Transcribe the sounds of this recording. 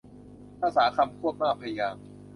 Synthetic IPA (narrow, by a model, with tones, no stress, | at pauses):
aː˧˥saː˩˦kʰa˧mkʰu˥˩k̚maː˥˩pʰa˧ja˧jaː˧m